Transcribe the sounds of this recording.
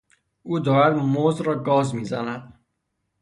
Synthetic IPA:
ʔuːd̪ɒːɾæd̪mozɾɒːɡɒːzmiːzænæd̪̥̚

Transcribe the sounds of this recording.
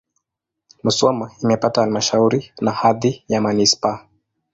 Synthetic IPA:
musɔmaimɛpatahalmaʃauɾinahaðijamanispa

